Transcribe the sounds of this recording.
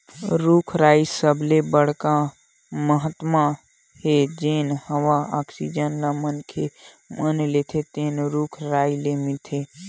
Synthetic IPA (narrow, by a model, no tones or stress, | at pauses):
ɾukʰɾaːisəblebəɽ̤ka | məɦət̪ma | hed͡ʒeːnhəʋaaːksid͡ʒənlamənkʰe | mənlet̪ʰet̪eːnɾuːkʰɾaːilemɪt̪ʰe